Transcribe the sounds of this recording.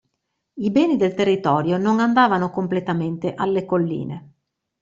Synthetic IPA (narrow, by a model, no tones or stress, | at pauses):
ibɛːnid̪elt̪erːit̪ɔːɾjonoŋand̪aːvanokomplet̪ament̪eʔalːekolːḭːne